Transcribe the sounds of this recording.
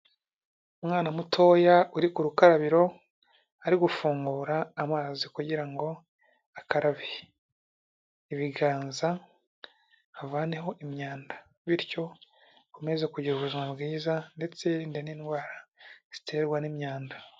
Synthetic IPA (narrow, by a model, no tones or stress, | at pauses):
umŋaːnamutʰo̞ːjauɾikuɾukaɾaβiɾo̞ | aɾiɡufuːŋɡuːɾaːmaːzikuɟiɾaŋɡo̞ | akaɾaβi | iβiɡaːnza | avaːne̞ɦo̞ʔimɲaːndḁ | βiɾco̞ | kume̞zekuɟiɾuβuzimabɡiːzande̞t͡se̞ɾindeniːnɡwaːɾaz̥i̥tʰe̞ːɾɡwanimɲaːnda